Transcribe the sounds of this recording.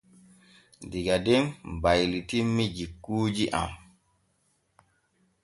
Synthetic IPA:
diɡadɛmbajlitimːid͡ʒikːuːd͡ʒiʔa̰m

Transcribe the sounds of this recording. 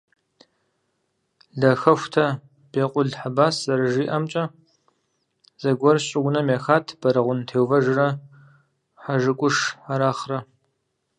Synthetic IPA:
ɮɐxɐxʷtʰɐ | b̥eːqʷʼʊɮħabaːszɐɾɨʒiːʔɐmt͡ʃʼɐ | z̥ɐɡʷɔrɕʼɪɡʷʊnɐmeːxaːtʰb̥ɐɾɐʁʷʊntʰeːwvɐʒrɐ | ħaʒɨkʷʼʊʂaɾaːχrɐ

